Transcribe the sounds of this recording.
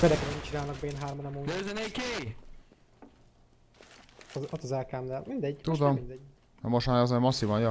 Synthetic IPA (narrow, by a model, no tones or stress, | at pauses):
ked̪ɛkɾɛmit͡ʃinaːlnɒɡ̚beːnɦaːrmonɒmoːøzɛnejke | ot̪ːɒzɛlkaːmd̪ɛmind̪ɛɟːt̪ud̪ommind̪ɛɟː | moʃt̪maːɾɛzɛmɒsːivɒnjɒ